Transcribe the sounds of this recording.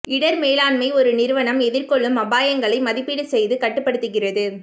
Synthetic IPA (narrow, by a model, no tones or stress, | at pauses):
ɪɽɐɾmeːlaːɳmɐɪɔɾɯnɪɾɯʋɐnɐmɛðɪɾkɔɭːɯmɐbaːjɐŋɡɐɭɐɪmɐðɪpːiɽɯsɛjðɯkɐʈːɯpːɐɽɯt̪ːɯɣɪrɐðɯ